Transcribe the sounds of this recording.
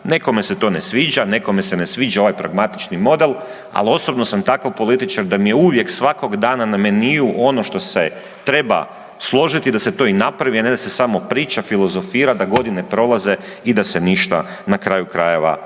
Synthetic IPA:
ne̞ko̞me̞se̞t̪o̞ːnesʋiːd͡ʒane̞ko̞mesene̞sʋiːd͡ʒao̞ʋajpɾa̰ɡmat̪i̥t͡ʃnimo̞d̪e̞l | a̰lio̞so̞bnosamt̪akawpo̞lit̪it͡ʃaɾd̪amijeuʋje̞ksʋako̞ɡd̪aːnaname̞niuʔo̞no̞ʃt̪o̞se | t̪ɾe̞ba̰ | slˠo̞ʒit̪id̪ase̞t̪o̞inapɾaʋianed̪ase̞samo̞pɾiːt͡ʃafilˠo̞zo̞fiːɾad̪aɡo̞d̪ine̞pɾo̞lˠaze̞ | id̪aseniʃt̪a̰ | nakɾaːjukɾaje̞ʋa̰

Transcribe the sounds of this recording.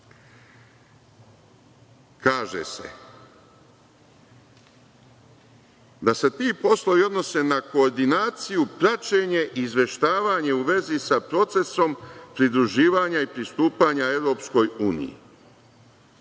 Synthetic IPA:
kaːʒḛse̞̰ | d̪ase̞t̪iːpo̞slˠo̞ʋio̞d̪no̞se̞nako̞ːɾd̪inaːt̪sijupɾat͡ʃe̞ɲe̞ʔiːzʋe̞ʃt̪aːʋaɲe̞uʋe̞zisapɾo̞t̪se̞so̞mpɾid̪ɾuʒiːʋaɲaipɾist̪uːpaɲae̞ʋɾo̞ːpsko̞juːnḭjḭ

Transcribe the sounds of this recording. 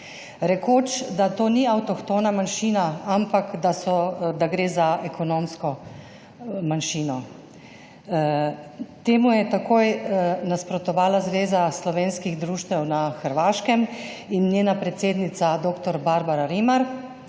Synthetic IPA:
ɾɛkoːt͡ʃd̪at̪oːniawt̪ɔkt̪oːnamanʃiːnaampakd̪asɔd̪aɡɾeːzaɛkʰɔnomskɔ | manʃiːnɔ | t̪eːmujɛt̪akoːjnaspɾɔt̪ɔʋaːlazʋeːzaslɔʋeːnskiɣd̪ɾuːʃt̪ʋɛwnaxəɾʋaːʃkɛm | inːjeːnapɾɛt̪seːd̪nit̪sad̪oːkt̪ɔɾbaɾbaɾaɾimaɾ

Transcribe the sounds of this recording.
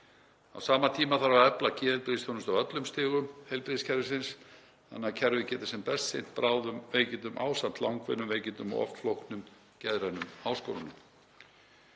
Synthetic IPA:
a̰wsaːmat̪ʰiːmaθaɾvaœplacʰɪːðɪlpɾesθʰjonʏst̪awœt̪lʏmst̪ɪːɣʏmhejlpɾiscʰɛɾvɪsɪns | ha̰nːacʰɛɾvɪcɛːt̪ḁsɛmpɛst̪sejn̥t̪̚pɾaːwðʏmveːjcɪnt̪ʏmʔa̰ːwsant̪lawŋkvɛnːʏmveːjcɪnt̪ʏmɔ̰ʔɔ̰ft̪flowhknʏm | cɛðɾanʏmhaːwsko̰wɾʏ̰nʏm

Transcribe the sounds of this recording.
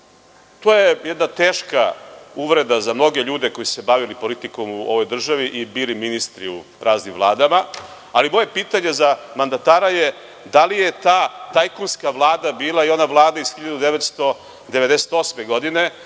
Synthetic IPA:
t̪oːjejɛd̪nat̪eːʃkauʋɾe̞d̪azamno̞ɡe̞ʎuːd̪e̞ko̞jise̞baʋilipo̞lit̪iko̞muo̞̰ʋo̞jd̪r̩ʒaʋiʔibiliminist̪ɾiṵpɾaːznimʋvlˠaːd̪ama | alimo̞je̞piːt̪aɲe̞zamand̪at̪aːɾaje | d̪alije̞t̪aːt̪ajkonskaʋlˠaːd̪abiːlaio̞naʋlˠaːd̪aizxiʎad̪ud̪eʋet̪st̪o̞ | d̪eʋe̞d̪ese̥t̪o̞smeɡo̞d̪ine̞

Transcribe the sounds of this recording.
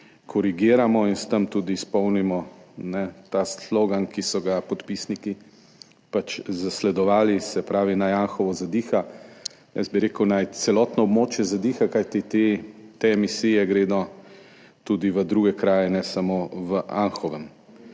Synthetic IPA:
kʰɔɾiɡiːɾamɔinst̪əmt̪uːd̪iːspɔwnimɔnɛt̪asloɡankisɔɡapɔt̪pisniki | pat͡ʃzaslɛd̪ɔʋaːlisɛpɾaːʋinajanxɔʋɔzad̪iːxa | jɛ̰zbiɾeːkəwnajt̪sɛlɔt̪nɔɔbmoːt͡ʃjɛzad̪ixakajt̪it̪et̪emisiːjɛɡɾeːd̪ɔ | t̪uːd̪iʋəd̪ɾuːɡɛkɾaːjɛnɛsamoʋəʔanxɔʋɛm

